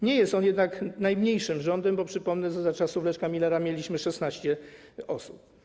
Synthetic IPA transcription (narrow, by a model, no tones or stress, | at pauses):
ɲɛjɛst̪ɔnjɛd̪naknajmɲejʂɘmʐɔnd̪ɛmbɔpʂɘpɔmnɛʐɛzat͡ʂasuvlɛʂkamʲilɛɾamʲjelʲiɕmɘʂɛsnaɕt͡ɕɛɔsup̚